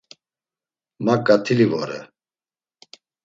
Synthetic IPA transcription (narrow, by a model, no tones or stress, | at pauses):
makʼat̪ʰilivɔɾɛ̰